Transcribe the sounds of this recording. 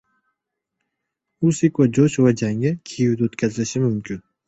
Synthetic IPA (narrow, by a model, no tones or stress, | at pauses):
usikvad͡ʒoʃvad͡ʒaŋʲakʲʰejɪwd̪aot̪kʲʰazɪlɪʃɪmʊmkʲʰɪn